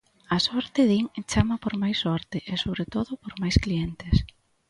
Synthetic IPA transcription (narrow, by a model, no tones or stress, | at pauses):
asɔɾt̪ɪðiŋt͡ʃamapoɾmajsːɔɾt̪ɪʔesoβɾet̪oðʊpoɾmajsklient̪ɪs